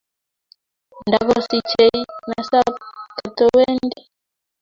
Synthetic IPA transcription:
nda˨kɔ˦si˨t͡ʃe˨i˦na˨sa˦ka˨tɔ˦wɛ˦nndi˦

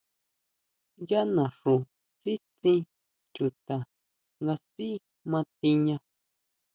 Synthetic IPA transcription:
ja˦nã˨ʂũ˨ | si˦t͡sĩ˧ | t͡ʃu˨t̪a˨ | ŋɡa˧si˦ | mã˧t̪i˧ɲã˧

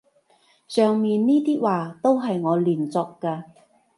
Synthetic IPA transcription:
sœː˨ŋmiː˨nniː˥t̪iː˥waː˨t̪o˥wɦɐ˨jŋɔː˨˧liː˨˩nt͡sɔː˧kkːaː˧

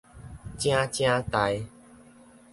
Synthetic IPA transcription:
t͡ɕj̃ã˦t͡ɕj̃ã˦t̪a˨˦j

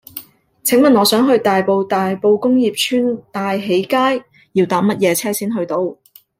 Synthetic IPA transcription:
t͡sʰɪ˨˥ŋmɐ˨nɔː˨˧sœː˨˥ŋɦɵ˧ɥt̪aː˨jpo˧wt̪aː˨jpo˧wkʊ˥ŋjiː˨p̚t͡ʃʰyː˥nt̪aː˨jɦe˨˥jkaː˥j | jiː˧wt̪aː˨˥mɐ˥t̚jɛː˨˧t͡sʰɛː˥siː˥nɦɵ˧ɥt̪o˧w

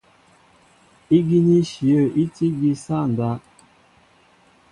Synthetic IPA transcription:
i˦ɡi˦ni˦ʃi˨ə˦˨ʔi˦ti˦ɡi˦sa˦˨n̩˨da˦

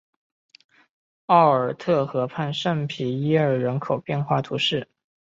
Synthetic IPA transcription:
ɑ˥˩ʊə˞˨˩t̪ʰɤ˥˩xɤ˧˥pʰa˥˧nʂə˥˩ŋpʰi˧˥i˥ə˞˥˩ɻə˧˥nkʰo˨˩ʊpjɛ˥˧nxwa˥˩t̪ʰu˧˥ʂɻ̩˥˩

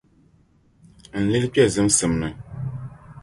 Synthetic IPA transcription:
n̩˨li˦lk͡pʲɛ˦˨zɨ˨˦msɨ˨mnɨ˨

